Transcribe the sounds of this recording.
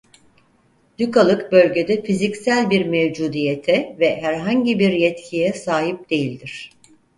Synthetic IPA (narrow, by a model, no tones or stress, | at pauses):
d̪̥ykalˠɯkbø̞lʲɟe̞d̪ɛfizicsælʲbiɾmevd͡ʒuːd̪ijet̪ʰɛvɛɦæɾɦaɲɟibiɾjɛt̪cʰijɛsaːɦip̚d̪̥e̞jilʲd̪iɾ̥